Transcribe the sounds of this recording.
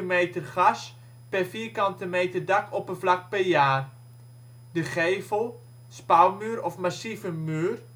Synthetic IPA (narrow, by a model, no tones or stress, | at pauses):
meːtərχas | pɛrfiːrkɑntəmeːtərdakʰɔpənflak̚pɛrjaːr | dəχeːvəlˠ | spawmyːɾɔfmasivəmyːr